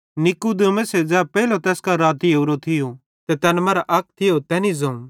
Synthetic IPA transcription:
nɪkud̪emẽsɛd͡zɛːpɛɦilot̪ɛːskaɾaːt̪iɐːɾot̪ʰɪjo | t̪et̪ɛːnmɐːɾaʔɐk̚ʰt̪ʰɪjot̪ɛːnizõũ

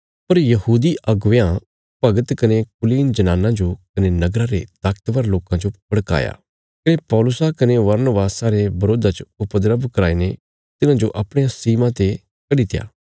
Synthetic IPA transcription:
pɐɾjɐɦuːd̪iʔɐɡʋjã | pɐɡət̪kɐnekʊliːnd͡ʒɐnaːnãd͡ʒokɐnenɐɡɾaɾet̪aːk̚t̪ʋəɾloːkãd͡ʒopɐɽka̰ːja̰ː | kɐnepɔːlʊsakɐneʋɐɾnəbaːsaːɾebɐɾoːd̪at͡ʃʊpəd̪ɾəbʱkɐɾaːine | t̪ɪnãd͡ʒoʔɐpɽ̃ejãsiːmãt̪e | kɐɽit̪ɪja̰ː

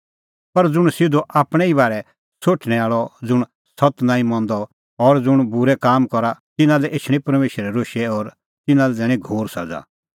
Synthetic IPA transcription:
pɐɾd͡zʊɽ̃sɪd̪oʔaːpɽ̃ɛibaːɾɛ | soːʈʰɽ̃ɛaːɭɔd͡zʊɽ̃ | sɔt̪nãːĩmɔ̃ːnd̪ɔ | ɔɾd͡zʊɽ̃bʊɾɛkaːmkɔɾat̪ɪnãlɛʔeːʃʰɽ̃ĩpɐɾmeːʃɾɛɾoːʃɛɔːɾ | t̪ɪnãlɛd͡zɛːɽ̃ĩɡʱoːɾsɐ̰d͡za̰

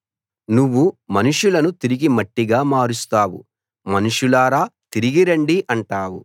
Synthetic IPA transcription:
nuʋːumɐnuʂulɐnut̪iɾiɡimɐʈːiɡaːmaːɾust̪aːwṵ | mɐnuʂulaːɾaːt̪iɾiɡiɾɐɳɖiʔɐɳʈaːwṵ

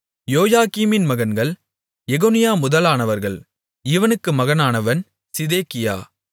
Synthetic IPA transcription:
joːjaːkiːmɪnmɐɣɐnɡɐɭ | jɛɣoːnɪjaːmʊðɐlaːnɐʋɐɾɣɐɭ | ɪʋɐnɯkːɯmɐɣɐnaːnɐʋɐn | sɪðeːkɪja̰ː

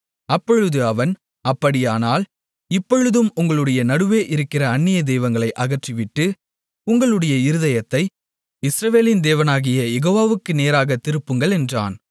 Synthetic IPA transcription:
ɐpːɔɻɯðɯɐʋɐn | ɐpːɐɽɪjaːnaːl | ɪpːɔɻɯðɯmʊŋɡɐɭɯɽɐjɐnɐɽɯʋeːʔɪɾɯkːɪrɐːnːɪjɐd̪ɛːʋɐŋɡɐɭɐɪʔɐɣɐʈrɪʋɪʈːɯ | ʊŋɡɐɭɯɽɐjɐɪɾɯðɐjɐt̪ːɐɪ | ɪsɾɐʋeːlɪnd̪eːʋɐnaːɣɪjɐjɛɣoːʋaːʋɯkːɯneːɾaːɣɐt̪ːɪɾɯpːɯŋɡɐɭɛndra̰ːn

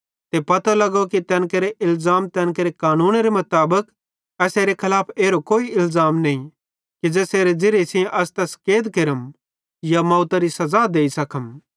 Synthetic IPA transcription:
t̪epɐt̪alɐɡokit̪ɛ̃ːnkeɾeʔɪlzaːmt̪ɛ̃ːnkeɾekaːnũːnɾemɐt̪aːbək | ɛseːɾekʰɐlaːpʰeːɾokoːiɪlzaːmnɐĩ | kid͡zɛːseːɾed͡zɪɾesɪjẽʔɐst̪ɛskeːd̪kɪɾəm | jamɔ̃ːʊt̪aɾisɐzaːd̪eːisɐkʰəm

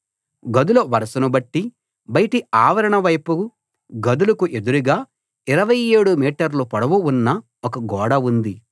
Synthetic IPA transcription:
ɡɐd̪ulɐʋɐɾɐsɐnubɐʈːi | bɐjʈiaːʋɐɾɐɳɐʋɐjpu | ɡɐd̪ulɐkuʔe̞d̪uɾuɡaː | iɾɐʋɐjeːɽumiːʈɐɾlupɐɽɐʋuunːɐ | okɐɡɔːɽɐund̪i

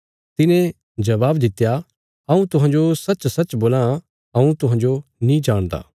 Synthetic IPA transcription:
t̪ɪnẽ | d͡ʒɐʋaːbd̪ɪt̪ːja | ɐũt̪ʊɦãːd͡ʒosɐt͡ʃsɐtːt͡ʃboːlã | ɐũt̪ʊɦãːd͡ʒonĩd͡ʒaːɽ̃d̪a̰ː

